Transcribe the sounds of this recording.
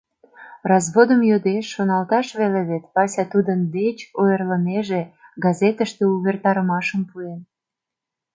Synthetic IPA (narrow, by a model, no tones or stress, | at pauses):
rɑzβod̪əmjød̪eʃːonɑlt̪ɑʃβeleβet̪pɑsʲɑt̪ud̪ənd̪et͡ɕojərləmeʒeɡɑzet̪əʃt̪euβert̪ɑɾəmɑʃəmpuen